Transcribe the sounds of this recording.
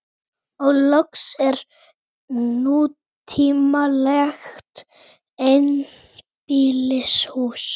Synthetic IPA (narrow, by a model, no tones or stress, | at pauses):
ɔɣlɔksɛɾ | nu | t̪ʰiːmalɛxt̪ | en | piːlɪshuːs